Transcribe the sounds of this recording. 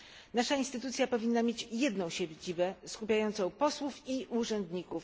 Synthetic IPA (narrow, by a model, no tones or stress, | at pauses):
naʂainst̪ɘt̪ut̪sʲjapɔvʲinːamʲjet͡ɕjɛd̪nɔ̃w̃ɕɛd͡ʑibɛskupʲjajɔnt̪sɔ̃w̃pɔswufiʔuʐɛnd̪ɲikuf